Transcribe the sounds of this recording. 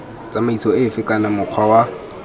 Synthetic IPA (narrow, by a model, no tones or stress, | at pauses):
t͡sʼamaisɔɪfɪkʼanamʊq͡χʰwawa